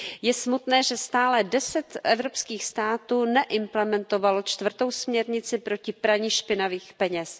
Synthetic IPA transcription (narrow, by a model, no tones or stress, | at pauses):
jɛsmut̪nɛːʒɛst̪aːlɛdɛsɛt̪ʔɛvɾo̞pskiːxst̪aːt̪uːnɛʔɪmplɛmɛnt̪o̞valo̞t͡ʃt̪vr̩t̪o̞wsmɲɛɾɲɪt͡sɪpɾo̞cɪpɾaɲɪʃpɪnaviːxpɛɲɛs